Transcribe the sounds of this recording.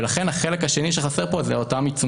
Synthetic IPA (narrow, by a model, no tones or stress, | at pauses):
laχe̞nhaχelekhaʃe̞niʃeχase̞ʁpo̞zeotamit͡su